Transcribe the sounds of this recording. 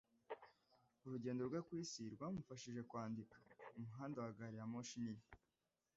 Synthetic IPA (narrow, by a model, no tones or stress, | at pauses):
uɾuɟe̞ːndo̞ɾɡwekwiːsiɾɡwaːmufaʃiʒe̞kwaːndikḁumuɦaːndawaɡaɾijamoʃinini